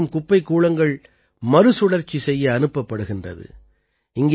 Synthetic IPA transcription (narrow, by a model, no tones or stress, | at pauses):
ɯmkʊpːɐɪkːuːɭɐŋɡɐɭ | mɐɾɯsʊɽɐɾt͡ʃːisɛjːɐːnɯpːɐpːɐɽɯɣɪndrɐ̰ðɯ̰ | ɪŋɡe